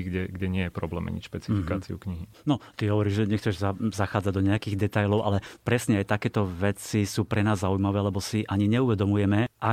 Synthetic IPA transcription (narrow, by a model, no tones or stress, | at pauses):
ɡɟɛɡɟɛɲɪɛjɛpɾɔblɛːma̰ɲḭʃpɛt͡sifikaːt͡siṵkɲiɦi | nɔt̪iɦɔʋɔɾiːʒʒɛɲɛxt͡sɛʒzazaxaːd͡zaɟd̪ɔɲɛjakiːɣd̪ɛt̪ajlɔʊʔa̰lɛpɾɛsɲɛajt̪akɛːt̪ɔʋɛt͡sisuːpɾɛnaːzːaujmaʋɛːlɛbɔsiʔaɲiɲɛuʋɛd̪ɔmujɛmɛʔa